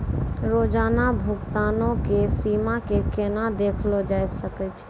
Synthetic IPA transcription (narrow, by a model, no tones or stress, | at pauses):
ɾoːd͡ʒaːnabʱʊɡt̪aːnõkesiːmakekenad̪eːkʰlod͡ʒajsəkɛt͡ʃʰ